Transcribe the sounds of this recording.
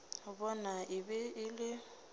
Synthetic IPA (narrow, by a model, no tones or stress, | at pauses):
bɔnaʔɪbɛɪlɪ